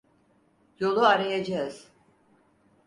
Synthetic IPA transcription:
jo̞lˠuaɾajad͡ʒaz̥

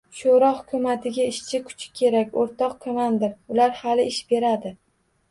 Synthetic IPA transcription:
ʃoɾɒhʊkʲʰʊmat̪ʰɪɡʲaɪʃt͡ʃʰɪkʰʊ̥t͡ʃʰɪ̥kʲʰe̞ɾakʲoɾt̪ʰɒqkʰomand̪ɪɾʊlaɾhalɪɪʃb̥e̞ɾad̪ɪ

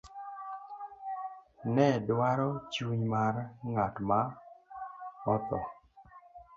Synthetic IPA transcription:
nɛdwaɾɔt͡ʃuɲmaɾŋatma | ɔt̪ɔ

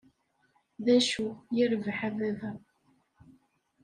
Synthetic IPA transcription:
ðæʃujəɾvħævævæ

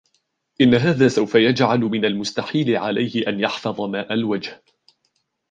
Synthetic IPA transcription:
ʔɪnːaɦaːðaːsawfajad͡ʒʕalmɪnalmʊst̪aħiːlɪʕalajhɪʔanjɑħfɑðˤɑmaːʔalwad͡ʒh

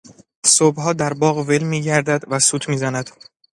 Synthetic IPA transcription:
sobhɒːd̪æɾbɒːɣvelmiːɟæɾd̪æd̪væsuːt̪ʰmiːzænæd̪̥

